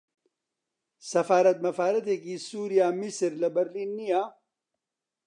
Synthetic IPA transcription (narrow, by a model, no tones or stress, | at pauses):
sɐfaːɾɐt̪̚mɐfaːɾɐt̪ekisuːɾijaːmisɾlɐbɐɾliːnːijaː